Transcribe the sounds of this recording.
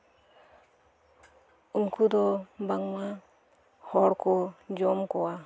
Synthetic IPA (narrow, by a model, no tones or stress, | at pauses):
unkud̪ɔbaŋma | hɔɾkɔd͡ʒɔmkɔwa